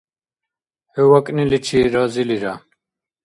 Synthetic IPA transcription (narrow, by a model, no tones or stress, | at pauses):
hɛwakʼnilit͡ʃʰiɾaziliɾa